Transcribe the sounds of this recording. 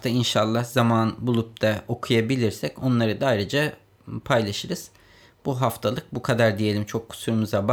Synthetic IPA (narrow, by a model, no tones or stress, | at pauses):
t̪ʰainʃalˠːahzamanbulˠup̚t̪ʰao̞kʰujabilʲiɾsɛco̞nlˠaɾɯd̪aajɾɯd͡ʒa | pʰajlˠaʃɯɾɯz̥ | b̥uɦaft̪ʰalˠɯk̚bukʰad̪aɾd̪ije̞lʲimt͡ʃʰo̞kʰːu̥suɾumuzaba